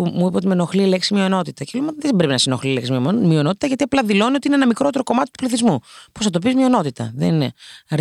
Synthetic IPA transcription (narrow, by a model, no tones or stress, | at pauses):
umuipɐot̪imeno̞xlileksimio̞no̞t̪it̪ɐcelumeot̪iðebɾepinɐsinoxlileksimiomio̞no̞t̪it̪ɐʝɐt̪iɐplɐðilo̞niot̪inenɐmikɾot̪eɾo̞ko̞mɐt̪i̥t̪u̥pliθizmuposɐt̪̬opizmio̞no̞t̪it̪ɐ̰ðḛnineɐɾ